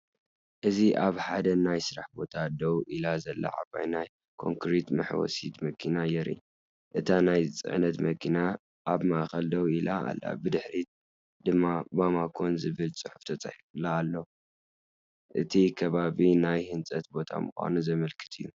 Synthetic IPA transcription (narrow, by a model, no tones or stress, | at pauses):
ʔɨziʔaβħad̪ɐnajsɨɾaħbo̞t̪ʰad̪ɐwʔilazɐlːa̰ʕa̰βa̰jnaj | kʰo̞̰ŋkɾit̪mɐħwɔ̰sit̪mɐkʰinajɛɾḭ | ʔɨt̪ʰanajt͡sʼɨ̰ʕnɐt̪mɐkʰina | ʔːβmaʔxɐld̪ɐwilaa̰lːa̰bɨd̪ɨħɾit̪̚ | d̪̥ɨmːabamakʰo̞nzɨβɨlsʼɨħuft̪ʰɐt͡sʼa̰ħifɨlːaːlːo | ʔɨt̪ʰikʰɐβaβinajhɨnt͡sʼɐt̪̚bo̞t̪ʰa̰mɨxʷa̰nuzɐmɐlkʰɨ̥t̪ʰɨjːu